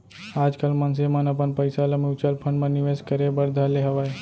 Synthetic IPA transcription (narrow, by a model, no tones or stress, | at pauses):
aːd͡ʒkəlmənsemənəpənpəɪsaləmut͡ʃəlpʰə̃ɳɖmẽniʋeskəɾebəɾd̪ʱaleɦəʋae